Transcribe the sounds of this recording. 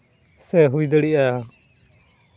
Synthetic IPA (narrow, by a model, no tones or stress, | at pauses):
sɛɦujd̪əɽiʔa